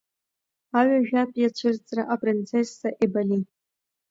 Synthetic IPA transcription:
aɥaʒᶣatʼjat͡ʃʷʰɨrt͡sʼraʔapʼrint͡sʰesːaʔebali

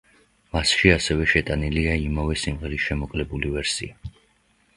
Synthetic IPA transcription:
masʃiasɛvɛʃɛt̪ʼaniliaimavɛsimʁɛɾisʃɛmɔkʼlɛbulivɛɾsḭa

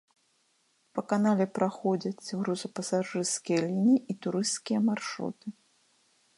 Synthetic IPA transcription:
pɐkanalʲɛpɾaxɔd͡zʲɐt͡sʲɾuzɐpɐsaʐɨrskʲijɐlʲinʲiʔit̪uɾɨst̪kʲijɐmarʂɾṵt̪ɨ

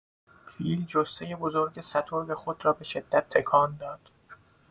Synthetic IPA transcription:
fild͡ʒost̪eje̞bozoɾɟesæt̪ʰoɾbexod̪rɒːbe̞ʃe̞d̪̥ːæt̪ʰːekʰɒːnd̪ɒːd̪̥

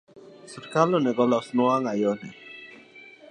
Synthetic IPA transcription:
suɾkalɔnɛɡɔlɔsnʊaŋajɔnɛ

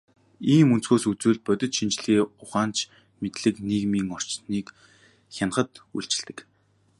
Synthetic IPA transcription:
iːmunt͡sxoːsut͡suːɮt̪̚pœt̪ʲɪ̆t̪ʃint͡ɕɮiːʊχaːnt͡ɕʰ | met̪ɮɘ̆kniːɣmiːŋɔr̥t͡ɕniːk | xʲan̆χə̆t̪ṵɮt͡ɕɪ̆ɮt̪ɘ̆k

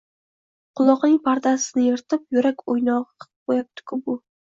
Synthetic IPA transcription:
qʰʊlˠɒqnɪŋpʰaɾd̪asɪnɪjeɾt̪ʰɪp̚jʊɾakʲojnɒʁɨqʰp̚bojap̚t̪ʰɪ̥kʲʰʊbʊ

